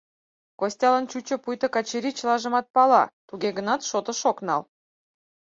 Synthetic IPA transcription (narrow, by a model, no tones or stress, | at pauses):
kosʲtʲɑlənt͡ɕut͡ɕə̆pujt̪ə̆kɑt͡ɕeɾit͡ɕəlɑʒə̆mɑt̪̚pɑlɑ̰t̪uɡeɣənɑt̪ʃot̪ə̆ʃoknɑ̰l